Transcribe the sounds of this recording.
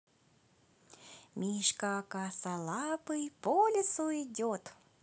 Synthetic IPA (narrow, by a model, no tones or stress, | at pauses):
mʲiʃkakasalˠɑpɨjpolʲɪsuidʲot̪